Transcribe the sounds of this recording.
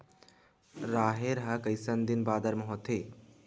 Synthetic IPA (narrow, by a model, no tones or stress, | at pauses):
ɾaːɦeɾɐɦɐkɐisɐnd̪ɪnbaːd̪ɐɾmɐɦot̪ʰeː